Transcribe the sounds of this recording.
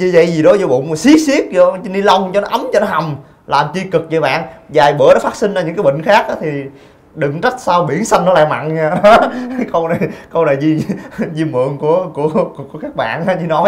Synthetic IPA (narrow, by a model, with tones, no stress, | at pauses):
ɲɨ˧˩zə̰˧˨jzi˨˩ɗɔ˨˦zo˧˩ɓʊ̰˧˨ŋ͡msi˦˥ək̚si˦˥ək̚zɔ˧t͡ɕi˧ni˧la˧wŋ͡mt͡ɕɔ˧nɔ˨˦ʔə˨˦mt͡ɕɔ˧nɔ˨˦ɦa˨˩wŋ͡m | laː˨˩mt͡ɕi˧kɨ˨˩k̚t͡ɕɔ˧ɓa̰ː˧˨nzaː˨˩jɓə˧˦nɔ˨˦faː˦˥t̚sï˧ŋ̟za˧ɨ˧˥ŋkaː˨˦jɓḭ̈˧˨ŋ̟xaː˦˥k̚ʔaː˨˦t̪ʰi˨˩ | ɗɨ˨˩ŋt͡ɕa˦˥t̚saː˧wɓi˧˩ənsa˧jŋ̟nɔ˨˦la̰ː˧˨ma̰˧˨nɲaː˧ɗɔ˨˦kɔ˧wnaː˨˩jkɔ˧wnaː˨˩jzi˧zi˧mɨ̰˧˨əŋku˧˩əku˧˩əkku˧˩˦kaː˦˥k̚ɓa̰ː˧˨nʔaː˨˦zi˧˩nɔ˨˦